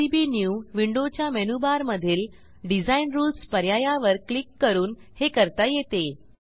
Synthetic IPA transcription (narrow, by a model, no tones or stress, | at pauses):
ibinjuʋiɳɖot͡ɕjamɛnubaɾməd̪ʱiːl | ɖid͡zainɾuːlspəɾjajaʋəɾklikːəɾuːnhekəɾt̪ajet̪e